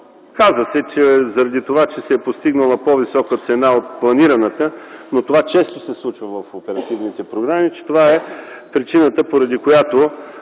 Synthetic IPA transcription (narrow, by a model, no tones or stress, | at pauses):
kazəsɛt͡ʃɛzɐɾɐd̪it̪ovat͡ʃɛsɛːpost̪iɡnəlˠəpɔvisɔkət̪sɛnaot̪̚plˠɐniɾənət̪ənot̪ovat͡ʃɛst̪osɛslˠut͡ʃvəvəfopɛɾɐt̪ivnit̪ɛpɾoɡɾamit͡ʃɛ̥t̪ovaɛpɾit͡ʃinət̪əpoɾɐd̪ikojat̪o